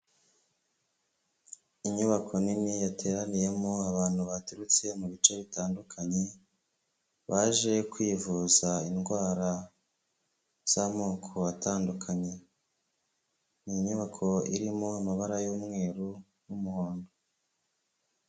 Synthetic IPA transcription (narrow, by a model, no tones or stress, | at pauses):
iɲuβakʰo̞ninijatʰe̞ːɾanije̞moaβaːn̥huβatuɾut͡se̞muβit͡ʃe̞βitaːndukʰaɲe̞ | βaːʒe̞kwiːvuzainɡwaːɾa | z̥amoːkʰo̞ataːndukʰaɲe̞ | niɲuβakʰo̞ḭɾimo̞amaβaɾajoːmŋe̞ːɾu | numuhoːndo